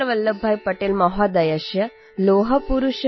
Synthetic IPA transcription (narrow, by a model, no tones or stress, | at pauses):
ɐʋɐlːɐbʱajpɐʈeːlmɐɦad̪ɐjaʃjɐ | loːɦɐpuɾuʃ